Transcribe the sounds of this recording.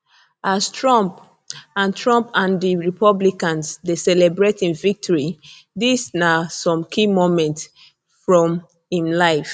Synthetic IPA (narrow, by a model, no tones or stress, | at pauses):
ʔastɹɔ̃mp | ãntʰɹɔ̃mpãndiɹipɔblikãnsdesɛlɛbɹetĩnvik̚tʰɔɹi | disnasɔ̃mkʰimomɛ̃nts | fɹɔ̃m | ĩmlaɪf